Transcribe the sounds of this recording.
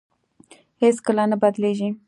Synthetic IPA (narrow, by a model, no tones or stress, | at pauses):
heskəlanabad̪leʒi